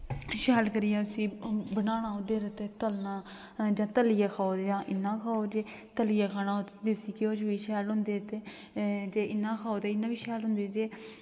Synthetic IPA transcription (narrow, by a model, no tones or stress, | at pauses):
ʃɛːlkəɾiːɛ̃ːəsĩːbənaːnãːʊ̃d̪eːɾət̪eːt̪əlnaː | d͡ʒãːt̪əliːjaːkʰaːoːd͡ʒãːʔɪnːãːkʰaːoːd͡ʒeː | t̪əliːaːkʰaːnaːot̪d̪esiːkɪoːt͡ʃʋiːʃɛːlɦʊ̃nd̪eːt̪eː | d͡ʒeːʔɪnːãːkʰaːoːt̪eːɪnːãːʋiːʃɛːlɦʊnd̪eːd͡ʒeː